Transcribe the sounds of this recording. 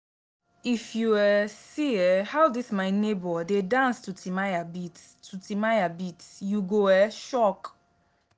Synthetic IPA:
ifjuwɛsiɛhawdismaɪnebɔdedãnstutʰimajabit | tːutimajabitjuɡoɛʃɔk

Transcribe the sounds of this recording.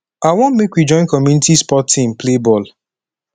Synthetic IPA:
awɔ̃nmekwid͡ʒɔ̃ɪ̃nkɔmjunitispɔtʰːĩmplebɔl

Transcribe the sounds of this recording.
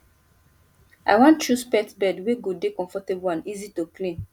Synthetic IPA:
a̰ɪwɔ̃ntt͡ʃuspɛtbɛdweɡodekɔ̃ɱfɔtebuãnizitoklĩn

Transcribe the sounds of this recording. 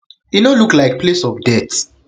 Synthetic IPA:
inoluklaɪk̚pʰlesɔfdɛt

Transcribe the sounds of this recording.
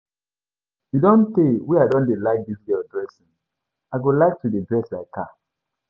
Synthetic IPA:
jidɔ̃ntewiadɔ̃ndelaɪk̚diziɡɔdɹɛsĩn | aɪɡolaɪk̚tudedɹɛslaɪkʰa

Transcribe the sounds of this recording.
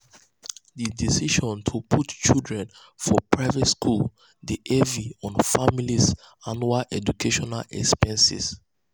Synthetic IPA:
didisiʃɔ̃ntʰupʰutt͡ʃildɹɛ̃n | fɔpʰɹaɪvɛtskʰul | diʔɛviɔ̃nfamilis | anualɛd͡ʒukʰeʃɔna̰lɛ̰kspɛ̃nsḭs

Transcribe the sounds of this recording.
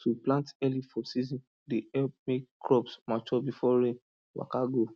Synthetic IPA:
twiplãntɛlifɔsizɔ̃n | diɛmekkɹɔbsmat͡ʃɔbifɔɾẽn | wa̰kaɡo

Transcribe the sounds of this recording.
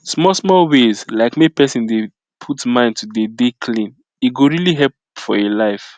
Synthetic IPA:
smɔsmɔlwezlaɪkmepɛsĩnde | pʰutmãɪ̃ntʰudedekʰlĩn | iɡoɹiliɦɛlp | fɔelaɪf

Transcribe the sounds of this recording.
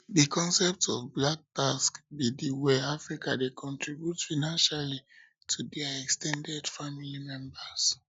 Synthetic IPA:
dikʰɔ̃nsɛp̚tɔvblak̚taskbidiwɛafɹikadekʰɔ̃ntʰɹibjutfanãnʃali | tʰudɛaɛkstɛ̃ndɛdfamilimɛ̃mbas

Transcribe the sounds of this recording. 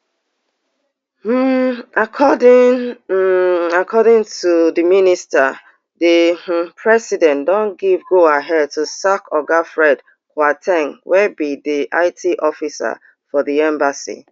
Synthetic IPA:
m̩akʰɔdɪ̃ | akʰɔdɪ̃ŋtuðiminista | dipʰɹɛsidɛ̃ndɔ̃nɡivɡoaɦɛd̚tusakʰɔɡafɹɛd | kwatʰɛ̃ŋwʔɛbidiʔa̰ɪtʰiʔɔfisa̰ | fɔðiɛ̃mbasḭ

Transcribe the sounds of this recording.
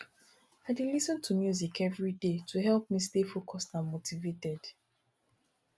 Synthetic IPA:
aɪdilisɔ̃ntʰumjuzikɛvɹidetʰuɦɛlp̚mistefokʰɔstãmotivetɛd̥

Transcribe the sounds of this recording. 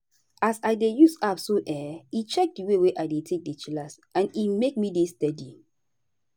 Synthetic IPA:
asaɪdejusapsoʔɛit͡ʃɛk̚diweweʔaɪdetʰek̚det͡ʃilas | ãnimek̚midestɛdi

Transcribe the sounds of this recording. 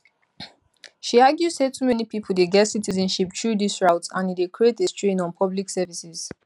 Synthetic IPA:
ʃiaɡjuz̥setʰumɛnipipʰədeɡɛtsitizə̃nʃip̚tʰɹudisɹaʊtsãnidekʰɹietestɹẽnɔ̃npʰɔbliksɛvisiz̥

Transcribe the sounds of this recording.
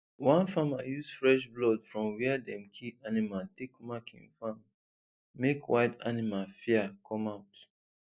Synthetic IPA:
wãnfamajusfɹɛʃ̬blɔdfɹɔ̃mwɛadɛ̃mkʰianimatekmakʰḭ̃nfam | mekʰwaɪda̰nimalfiakʰɔ̃maʊt

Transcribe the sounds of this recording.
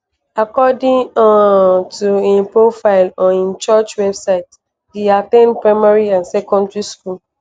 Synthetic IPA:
akɔdɪ̃ŋɔtuẽnpɹofaɪlɔ̃nĩnt͡ʃɔt͡ʃwɛbsaɪt | diat̪ẽnpɹaɪmaɹiãnsɛkɔ̃ndɹiskul

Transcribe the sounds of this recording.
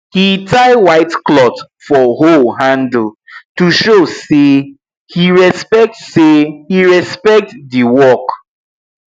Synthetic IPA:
hitʰaɪwaɪtklɔt | fɔɦolɦãndl̩tuʃose | hiɹɛspɛk̚tsehiɹɛspɛk̚tdiwɔk

